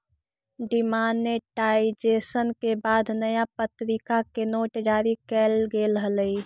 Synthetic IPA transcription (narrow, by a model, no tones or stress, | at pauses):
ɖɪmaːnːeʈaːid͡ʒeːsənkebaːd̪ʱnəjapət̪ɾɪkakenoːʈd͡ʒaːɾikɛːlɡelɦələi